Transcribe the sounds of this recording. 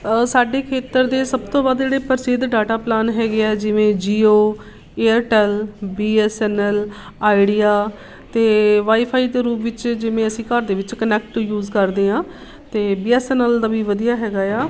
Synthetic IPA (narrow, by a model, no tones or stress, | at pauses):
saːɖeːkʰeːt̪əɾd̪eːsəbt̪õːbaːd̪d͡ʒeːɽeːpəɾsed̪ɖaːʈaːplaːnɦɛːɡeɛːd͡ʒɪʋẽːd͡ʒiːoː | eːəɾʈɛːlbiːɛːsɛːnɛl | aːɪɖiːaː | t̪eːʋaːiːpʰaːiːt̪eːɾuːpʋɪt͡ʃd͡ʒɪʋẽːəsĩːkəɾd̪eːʋɪt͡ʃkənɛːk̚ʈʈjuːzkəɾd̪eːɦãː | t̪eːbiːɛːsɛːnəld̪aːʋiːʋəd̪ijaːɦɛːɡaːjaː